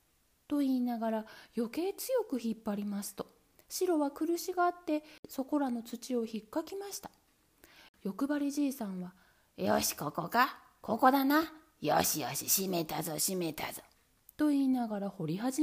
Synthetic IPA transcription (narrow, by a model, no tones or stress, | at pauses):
t̪o̞iːnaɡaɾajo̞ke̞ːt͡sɨjo̞kɯ̟çipːaɾʲimasɨ̥t̪o̞ | ɕiɾo̞βakɯ̟ɾɯ̟ɕiɡaːt̪ːe̞so̞ko̞ɾano̞t͡sɨt͡ɕio̞çikːakʲimaɕi̥t̪ḁ | jo̞kɯ̟baɾʲiʑiːsãɰ̃βa | jo̰ːɕi̥kokoka | ko̞ko̞d̪ana | jo̰ɕijo̰ːɕiɕimet̪azoɕimet̪a̰z̥o | t̪o̞iːnaɡaɾaho̞ɾʲiɦaʑi